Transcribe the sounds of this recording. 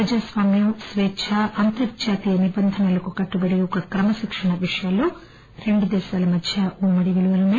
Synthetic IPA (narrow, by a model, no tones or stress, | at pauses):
ɾɐd͡ʒaːsʋaːmjɐmsʋeːt͡ʃʰaʔɐnt̪ɐɾd͡ʒaːt̪ijɐnibɐnd̪ʱɐnɐlɐkukɐʈːubɐɽiɔkɐkɾɐmɐʃikʂɐɳɐʋiʂɐjaːlu | ɾe̞ɳɖud̪ɛːʃaːlɐmɐd̪ʱjɐʔuːmɐɽiʋiɭuʋɐluneː